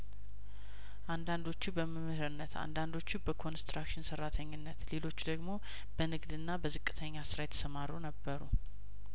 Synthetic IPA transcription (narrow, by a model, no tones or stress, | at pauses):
ʔand̪and̪o̞t͡ʃːubəmɨmːɨhɾɨnːət̪ʰa̰nd̪and̪o̞t͡ʃːubəkʰo̞nst̪ɾakʃɪnsərːat̪ʰəɲːɪnːət̪le̞lo̞t͡ʃːd̪əɡmo̞ | b̥ənɨɡd̪ɨnːabəzɨkʼːɨ̥t̪ʰəɲːasɨɾajɛt̪ʰə̥səmaɾunəbːəɾṵ